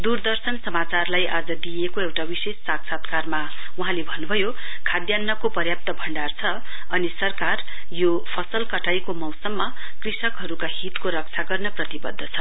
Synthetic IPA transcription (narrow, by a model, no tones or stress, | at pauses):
d̪urd̪ʌrsʌnsʌmat͡sarlajʔad͡zʌd̪ijekoewʈawisesːaksat̪karma | uɦãlebʱʌnːubʱʌjo | kʰad̪janːʌkopʌrjap̚t̪ʌbʱʌɳɖart͡sʰʌ | ʌnisʌrkar | jo | pʰʌsʌlkʌʈʰajkomʌwsʌmːʌ | krisʌkɦʌɾukaɦit̪koɾʌk̚t͡sʰaɡʌrnʌprʌt̪ibʌd̪ʱːʌt͡sʰʌ